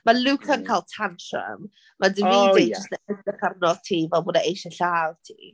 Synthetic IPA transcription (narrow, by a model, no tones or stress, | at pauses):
maluːkʰənkʰajlˠtʰantʰrə̰m | mʔadəvidejd͡ʒɪstnaədəχarnɔð̥tʰiːvɛlˠbɔdaejʃəɬaːðtʰḭ